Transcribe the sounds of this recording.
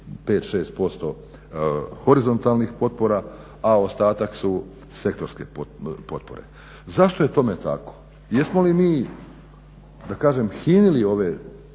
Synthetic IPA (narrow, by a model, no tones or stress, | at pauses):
pe̞ːt̪ʃe̞ːst̪̚po̞st̪o̞ | xo̞ɾizo̞nt̪alnixpo̞t̪̚po̞ɾa | ao̞st̪aːt̪aksu | se̞kt̪o̞ɾske̞po̞t̪̚po̞̰ɾḛ | zaʃt̪o̞je̞t̪o̞met̪a̰ko̥ | jesmolimiː | d̪akaːʒe̞mxiːnilio̞ʋe̞